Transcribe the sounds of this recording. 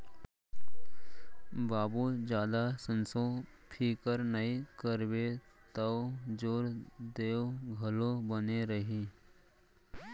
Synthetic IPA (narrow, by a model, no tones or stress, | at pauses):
baːbud͡ʒjaːd̪asə̃nsõpʰiːkəɾnəikəɾbet̪əwd͡ʒoːɾd̪eːwɡʱɐlõbəneɾəɦi